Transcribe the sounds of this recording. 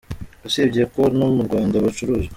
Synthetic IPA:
usebɟiekonumuɾɡwaːndaβat͡ʃuɾuːzɡe

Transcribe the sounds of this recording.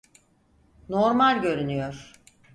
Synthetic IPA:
noɾmalʲɟø̞ɾynyjoɾ̥

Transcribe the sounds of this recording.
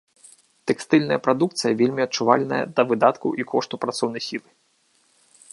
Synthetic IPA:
t̪ɛkst̪ɨlʲnɐjɐpɾad̪uk̚t̪sɨjɐvʲelʲmʲiɐt̚t͡ʂuva̰lʲnɐ̰jɐ̰d̪ɐvɨd̪at̪kṵʔikʰɔʂt̪upɾat̪sɔwn̪ɐjsʲilˠɨ

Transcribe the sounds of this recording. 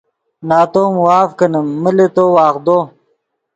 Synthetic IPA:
naːt̪oːmwaːfkɐnəːəlet̪owaːxd̪o

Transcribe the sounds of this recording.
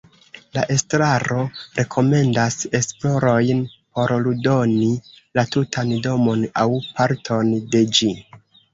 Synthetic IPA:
laʔe̞stɾaɾo̞ɾe̞kʰo̞me̞ndase̞splo̞ɾo̞jnpo̞ɾludo̞ni | latutʰando̞mo̞nawpaɾtʰo̞nde̞d͡ʒi

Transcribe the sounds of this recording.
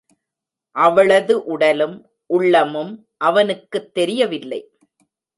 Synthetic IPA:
ʔɐʋɐɭɐðɯʔʊɽɐlɯm | ʔʊɭːɐmɯm | ʔɐʋɐnɯkːɯt̪ːɛɾɪjɐʋɪlːɐɪ

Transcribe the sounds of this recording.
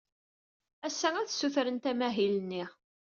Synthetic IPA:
æsːæŋæθsːuθɾənt̪æmæɦilənːiʁ

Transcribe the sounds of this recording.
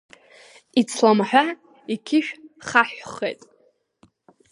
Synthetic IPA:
it͡sʰlamħʷᶣa | ikʲʰɪʃᶣχaħᶣχejtʼ

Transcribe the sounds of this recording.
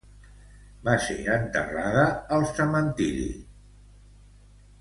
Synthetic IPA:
baseənt̪əraðəəlˠsəmənt̪iɾḭ

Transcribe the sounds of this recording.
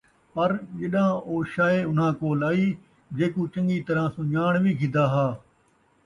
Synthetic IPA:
pɐɾʄeɗãːoːʃaːeʊn̤ãːkoːlaːiː | d͡ʒeːkuːt͡ʃɐ̃ŋɡiːt̪ɐɾãːsũɲaːɳ̃ʋiːɡʰʱɪ̃d̪aːɦaː

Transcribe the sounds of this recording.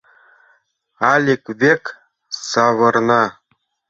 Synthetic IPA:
ɑlʲekβʲek | sɑβɤ̆rnɑ

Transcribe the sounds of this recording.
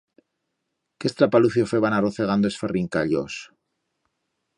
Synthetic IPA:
kest̪ɾapaluθjofeβanaroθeɣand̪oesferiŋkaʎo̰s

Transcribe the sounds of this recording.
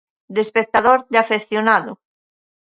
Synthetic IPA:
d̪espek̚t̪aðoɾðɪafeθjonaðʊ

